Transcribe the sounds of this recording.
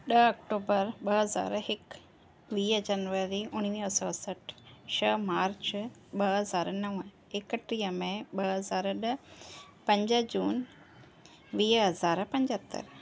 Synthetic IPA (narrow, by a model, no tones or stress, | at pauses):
ɗəɐkʈoːbəɾɓɐɦɐza̰ːɾɦɪk | ʋiːɦd͡ʑɐnʋəɾiʊɽ̃iiəsɔːsɐʈʃəmaːɾt͡ɕ | ɓɐɦɐzaːɾnɐʋ | ekəʈɾiəmẽɓɐɦɐzaːɾɗə | pɐ̃ɲd͡ʑəd͡ʑuːn | ʋiːɦɐzaːɾpɐ̃ɲd͡ʑət̪ːə̰ɾ